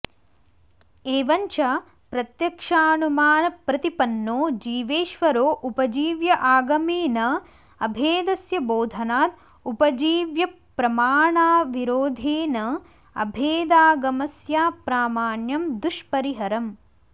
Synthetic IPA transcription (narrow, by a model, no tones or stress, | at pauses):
eːʋɐɲt͡ʃɐ | pɾɐt̪jɐkʂaːnumaːnɐpɾɐt̪ipɐnːoːd͡ʒiːʋeːʃʋɐɾoːʔupɐd͡ʒiːʋjɐʔaːɡɐmeːnɐ | ɐbʱeːd̪ɐsjɐboːd̪ʱɐnaːt̪̚ | upɐd͡ʒiːʋjɐ | pɾɐmaːɳaːʋiɾoːd̪ʱeːnɐ | ɐ̰bʱeːd̪aːɡɐmɐsjaːpɾaːmaːɳjɐmd̪uʃpɐɾiɦɐɾɐm